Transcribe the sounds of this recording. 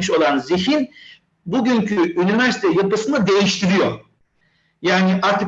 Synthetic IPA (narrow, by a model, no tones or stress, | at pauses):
iʃo̞lˠanziɦin | buɟyɲcʰyynivæɾsit̪ʰɛjapɯsɯnad̪e̞jiʃt̪ʰiɾijoɾ | jaːniʔaɾt̪ʰɯ